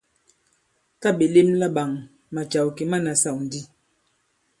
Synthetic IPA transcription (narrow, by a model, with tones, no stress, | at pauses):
ka˦ɓe˨le˦mla˦ɓa˨ŋ | ma˨t͡ʃa˨wke˨ma˦˨na˨sa˦˨wn̩˨˦di˦